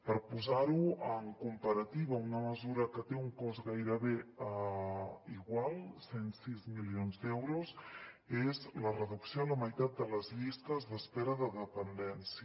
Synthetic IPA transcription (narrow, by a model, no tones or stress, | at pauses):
pəɾpuzaɾuəŋkumpəɾət̪iβəunəməzuɾəkət̪euŋkɔzɣajɾəβeə | iɣwalˠsensizmilionzd̪ɛwɾusezlərəðuksjoləməjt̪at̪̚d̪ələzʎist̪əzðəspɛɾəðəðəpənd̪ɛnsiə